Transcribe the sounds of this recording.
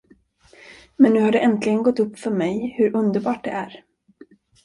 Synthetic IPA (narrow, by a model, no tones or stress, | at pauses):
mɛnːʉ̟ːhaɖɛʔɛnt̪lɪɡənɡɔt̪ːɵpːfœɾmɛjhɵɾʔɵnd̪əɾbɑːʈ̚ɖɛ̰ʔæɾ